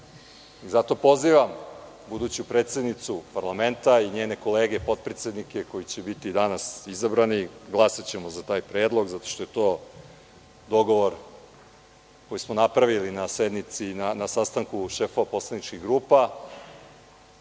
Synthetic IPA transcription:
izat̪o̞po̞ziːʋam | bud̪uːt͡ɕupɾet̪sʲed̪nit̪supaɾlˠame̞nt̪aiɲeːne̞ko̞leːɡe̞po̞t̪̚pɾet̪sjed̪nike̞ko̞jit͡ɕebit̪id̪anasizabɾaniɡlˠasat͡ɕe̞mozat̪aːjpɾe̞ːd̪lˠo̞ɡzat̪o̞̥ʃt̪ojet̪o̞ː | d̪o̞ɡo̞ʋo̞ɾ | ko̞jismo̞napɾaʋilinase̞d̪nit̪sinanasast̪aŋkuʃe̞fo̞ʋapo̞slˠanit͡ʃkiɣɡɾuːpa

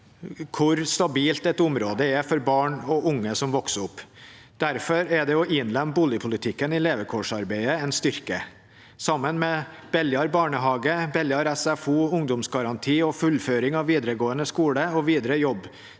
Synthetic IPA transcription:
kʰʊɾst̪ɑbiːlt̪ɛt̪ʊmɾoːd̪əɛfɔɾbɑːɳɔʔʊŋːəsɔmʋɔksʊpː | d̪̥æɾfɔɾɛd̪ɛɔʔɪnlɛmbuːljɪpʰʊlɪt̪ʰɪkːənɪleːʋəkʰɔʂɑɾbæɪəɛnst̪ʏɾkə | sɑmːənmɛb̥ɛljɑɾbɑːɳəɦɑːɡəbɛljɑɾɛsæfuːʊŋd̪ɔmsɡɑɾɑnt̪ʰiːɔfʉlføːɾɪŋɑʋʋiːd̪ɾəɡoːənəskuːɽəɔʋiːd̪ɾəjɔbː

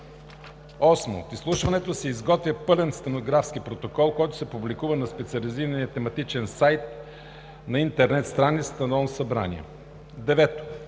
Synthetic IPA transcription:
ɔsmo̰t̪islˠuʃvɐnɛt̪osɛizɡɔt̪vʲɐpɤlɛnst̪ɛnoɡɾafskipɾot̪okɔlˠkɔjt̪ʊ̥sɛpublikuvənɐspɛt̪siɐliziɾəniət̪ɛmɐt̪it͡ʃɛnsajt̪̚ | nɐint̪ɛɾnɛt̪st̪ɾanːist̪ɐnɔlsɐbɾa̰nḭɛ̰ | d̪ɛvɛt̪o̥

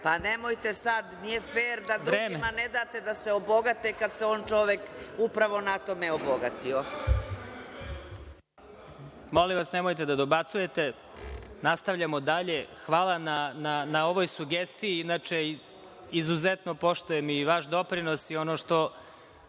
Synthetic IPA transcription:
panemojt̪esad̪nijefeːɾd̪ad̪ɾuɾeːmemaned̪aːt̪ed̪aseobo̞ɡat̪ekad̪seoːnt͡ʃoʋekupɾaʋonat̪omeoboɡat̪io | moliʋasnemo̞jt̪e̞d̪ad̪o̞bat̪suje̞t̪e̞ | nast̪aʋʎamo̞d̪aʎe̞xʋaːlˠanananao̞ʋo̞jsuɡest̪ijiinaːt͡ʂe | izuzet̪no̞po̞ʃt̪ojemiʋaʃd̪o̞pɾino̞sio̞noːʃt̪o̞

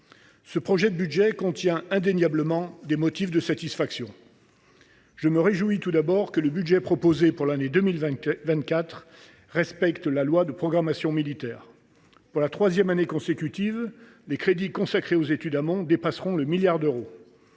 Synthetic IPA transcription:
səpχɔʒɛd̪əbyd̪ʒɛkɔ̃t̪jɛ̃ɛ̃d̪enjabləmɑ̃d̪emɔt̪ifd̪əsat̪isfaksjɔ̃ | ʒəməʁeʒuit̪ud̪abɔʁkələbyd̪ʒɛpχɔpozepuʁlaned̪əmilvɛ̃t̪̚kʲat̪χ | ʁɛspɛkt̪lalwad̪əpχɔɡʁamasjɔ̃milit̪ɛːʁ | puʁlat̪χwazjɛmanekɔ̃sekʲyt̪iv | lekχed̪ikɔ̃sakχeozet̪yd̪amɔ̃d̪epasʁɔ̃ləmiljaʁd̪øʁo

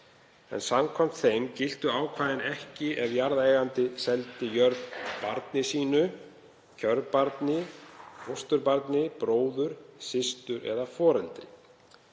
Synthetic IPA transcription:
ɛ̰nsamkʰɔm̥t̪θejmcɪl̥t̪ʏaːwkʰvaːðɪnɛhcɪʔɛvjaɾðaejɣant̪ɪsɛlt̪ɪjœɾðpaɾt̪nɪsiːnʏ | cʰœɾpaɾt̪nɪhost̪ʏɾpaɾt̪nɪpɾoːwðʏɾ̥sɪst̪ʏɾɛ̰ðafɔːɾɛnt̪ɾɪ

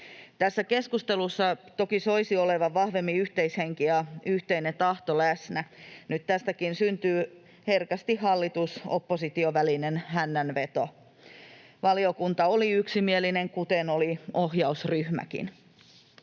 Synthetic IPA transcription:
t̪æsːæke̞skust̪elusːɑt̪o̞kiso̞isioleʋɑʋɑhʋemːiyht̪eisheŋkijɑyht̪einet̪ɑht̪olæsnænyt̪t̪æst̪ækinsynt̪yː | herkæst̪ihhɑlːit̪usopːosit̪ioʋælinenɦænːænʋe̞t̪o | ʋɑliokunt̪ɑoliyksimielineŋkut̪enoliohjɑusryhmæ̰kḭn

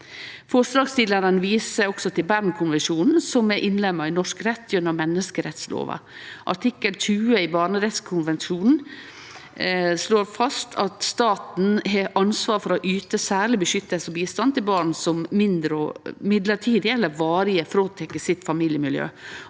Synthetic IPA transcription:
fɔʂlɑːɡst̪iːləɾənəʋiːsəɾɔksɔt̪ʰɪlbæɾnkʰʊnʋɛnʂuːnn̩sɔmɛɾʔɪnlɛmːɑɪnɔʂkɾɛt̪ʰːjʉnəɾmɛnːəskəɾɛt̪slo̰ːʋə̰ʔɑ̰ʈʰɪkːəltʉːəɪbɑːɾɳəɾɛt̪skʰʊnʋɛnʂuːnn̩ | sloːɾfɑst̪ʰɑt̪st̪ɑːt̪n̩ɦɛʔɑnsʋɑːɾfɔɾɔʔyːt̪əsæːɭɪbəʃʏt̪ːəsɔbiːst̪ɑnt̪ʰɪlbɑːɾɳsɔmmɪnd̪ɾəɔmɪd̪ləʈʰiːd̪ɪɛlːəɾʋɑːɾɪəfɾoːt̪ʰɛkːəsɪt̪fɑmiːljəmɪljø̰ː

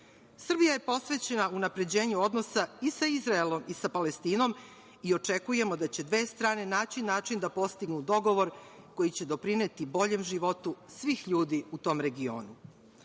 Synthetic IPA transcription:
sr̩bijaje̞po̞sʋe̞t͡ɕe̞naunapɾe̞d͡ʑe̞ːɲuo̞d̪no̞saisaizɾaelo̞misapalest̪iːno̞m | io̞t͡ʂe̞kuje̞mo̞d̪at͡ɕe̞d̪ʋe̞ːst̪ɾaːne̞naːt͡ʃinːaːt͡ʃind̪apo̞st̪iɡnud̪o̞ɡo̞ʋo̞ɾ | ko̞jit͡ɕe̞d̪o̞pɾineːt̪ibo̞ʎe̞mʒiʋo̞t̪usʋiːxʎuːd̪iut̪o̞ːmɾe̞ɡio̞̰ːnu

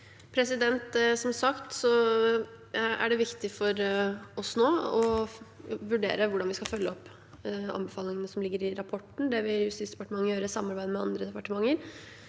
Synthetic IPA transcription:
pʰɾɛsɪd̪ɛnt̪sɔmsɑkt̪sɔ | æ̰ɖɛʋɪkt̪ɪfɔɾɔsnoːɔ | ʋʉɖḛːɾəʋʊɖɑnʋɪskɑfœlːəɔpː | ɑ̰nbɛfɑːlɪŋənəsɔmlɪɡːəɾɪɾɑpʰɔʈːn̩d̪ɛʋɪljʉst̪iːsd̪ɛpɑʈəmɑŋːəjøːɾəsɑmːɑɾbæɪd̪əmɛɑ̰nd̪ɾəd̪ɛpɑʈəmɑŋːəɾ

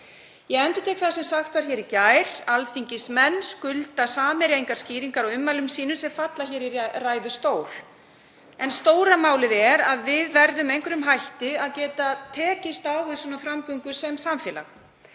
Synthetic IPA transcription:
jɛɣɛnt̪ʏ̥t̪ʰɛːkθaðsɛmsaxt̪vaɾ̥çɛɾicaːjɾ̥alθiɲcɪsmɛnskʏlt̪asaːmɪɾjejŋkaɾ̥sciːɾiŋkaɾaʏmːalʏmsiːnʏsɛmfat̪laçɛːɾiraːjðʏst̪oːwl̥ | ɛnst̪oːwɾamaːwlɪðɛɾaðvɪðvɛɾðʏmejŋkʏɾʏmɦajht̪ɪaðcɛːt̪at̪ʰɛːcɪst̪awɪðsɔːnafɾamkœŋkʏ̥sɛmsamfɛːla̰x

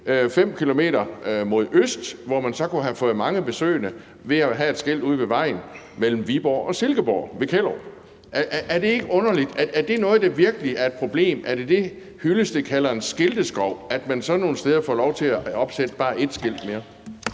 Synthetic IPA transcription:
fem̰kʰilo̝me̝̰ːɾɐmo̝ð̞̰ˠøsd̥ʋɒmænsɒ̽kuæfɔ̽ːð̩ˠmɑ̈ŋəb̥e̝sø̰ːnə | ʋe̝æɦæe̝d̥sɡ̥e̝l̰d̥uð̞̰ˠʋeʋɑ̈ɪ̰n̩ | mel̰m̩ʋib̥ɒ̰ːɒ̽se̝lɡ̥əb̥ɒ̰ʊ̰ʋe̝kʰel̰ɐʊ | ʔæʔʔæɐd̥e̝e̝ɡ̥əɔ̽nɐlid̥æɐːɐd̥e̝nɔ̽ːð̩ˠd̥ɑ̈ʋiɐɡ̥əliæɐe̝d̥̚pʰʁo̝b̥le̝̰ːmæɐd̥e̝d̥e̝ | hyləsd̥e̝kʰælɐe̝nsɡ̥e̝ld̥əsɡ̥ʁɒʊ̰æd̥mænsɒ̽no̝ːn̩sd̥eːð̞ˠɐfɒlɒʊt͡sʰe̝æɒ̽b̥sed̥əb̥ɑ̈ːʔe̝d̥sɡ̥e̝l̰d̥me̝ːɐ

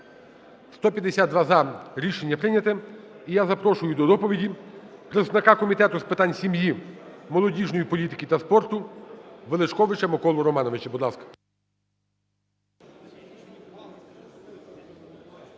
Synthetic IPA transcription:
st̪ɔpʲjɐd̪esʲat̪̚d̪ʋazɐɾʲiʃenʲːɐpɾɪnʲɐt̪ɪijazɐpɾɔʃʊjʊd̪ɔd̪ɔpɔʋʲidʲipɾɪznɐkɑkɔmʲit̪ɛt̪ʊspɪt̪anʲsʲimji | mɔlˠɔdʲiʒnɔjipɔlʲit̪ɪ̥kʲit̪ɐspɔrt̪ʊʋelˠet͡ʃkɔʋɪt͡ʃɐmɔkɔlˠɔɾɔmɑnɔʋeɪt͡ʃɛbud̪lˠɑskɐ̥

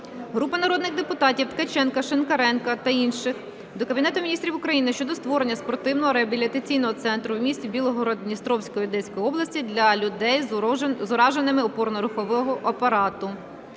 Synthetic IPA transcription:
ɦɾupɐnɐɾɔd̪nɪɣd̪epʊt̪ɑtʲiwt̪kɐt͡ʃɛnkɐʃenkɐɾɛnkɐt̪ɐinʃɪx | d̪ɔkɐbʲinɛt̪ʊmʲnʲist̪ɾʲiwʊkɾɐjinɪʃt͡ʃɔd̪ɔst̪ʋɔɾenʲːɐspɔɾt̪ɪwnɔɦɔɾeɐbʲilʲit̪ɐt͡sʲijnɔɦɔt̪sɛnt̪ɾʊwmʲisʲtʲibʲilˠɔɦɔɾɐd̪ʲnʲist̪ɾɔwsʲkɔjiʊd̪ɛsʲkɔjiɔblˠɐsʲtʲid̪lʲɐʊd̪ɛjzʊɾɑʒenɪmɪɔpɔrnɔɾʊxɔʋɔɦɔʔɐpɐɾɑt̪ʊ

